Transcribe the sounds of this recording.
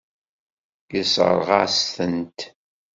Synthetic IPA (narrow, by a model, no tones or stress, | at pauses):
jəsə̰ɾˤʁɑ̰sθənt̪